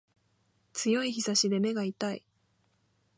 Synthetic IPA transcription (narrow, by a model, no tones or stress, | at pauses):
t͡sɨjo̞içisaɕid̪e̞me̞ɡait̪aḭ